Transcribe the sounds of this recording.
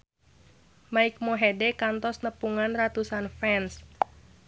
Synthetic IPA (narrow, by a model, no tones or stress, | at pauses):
maik̚moɦɛdɛkant̪ɔsnəpuŋanrat̪usanfɛns